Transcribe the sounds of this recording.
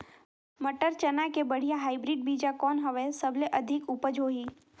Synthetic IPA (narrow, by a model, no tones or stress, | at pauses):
məʈəɾt͡ʃənakebəɽ̤ijaɦaːɪbɾiːɖ̚biːd͡ʒakɔːnɦɐʋesəbʱleʔɐd̪ʱɪkʊpəd͡ʒʱɦoːɦiː